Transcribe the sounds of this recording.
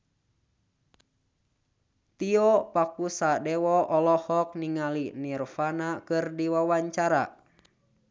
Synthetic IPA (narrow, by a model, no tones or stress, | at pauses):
t̪iɔpakusadɛwɔʔɔlɔhɔk̚niŋalinirfanakɨrdiwawaɲt͡ʃaɾa̰